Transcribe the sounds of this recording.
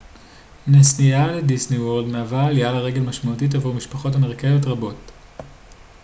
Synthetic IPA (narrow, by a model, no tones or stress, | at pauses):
nesnijaledisniwoldmeavaalijalaʁe̞ɡe̞lmaʃmautit̬avomiʃpaχo̞tameʁkejotʁabo̞t